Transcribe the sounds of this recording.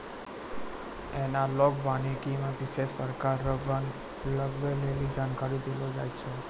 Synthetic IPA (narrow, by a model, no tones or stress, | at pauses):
enalɔkbanikimãʋiʃeʃpəɾkaɾːəʋan | ləɡʋelelid͡ʒankaɾid̪elod͡ʒajt͡ʃʰe